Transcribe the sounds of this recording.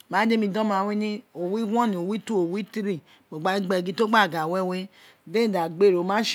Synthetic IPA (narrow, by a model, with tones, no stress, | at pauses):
ma˨˦d͡ʒe˦mi˧dɔ˦ma˨we˦ne˦o˨wi˦ɡʷɔ˦ni˨o˨wi˦tu˦o˨wi˦ti˦ɾi˦ | me˨ɡ͡ba˦i˦ɡ͡be˨ɡi˦to˦ɡ͡ba˦˨ɡa˨we˦we˦ | de˦˨da˨ɡ͡be˦˨ɾo˨ma˦ʃ